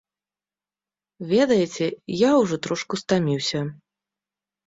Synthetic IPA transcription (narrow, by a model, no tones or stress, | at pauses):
vʲɛd̪ɐjɛt͡sʲɛjawʐɔt̪ɾɔʂkust̪amʲiwsʲɐ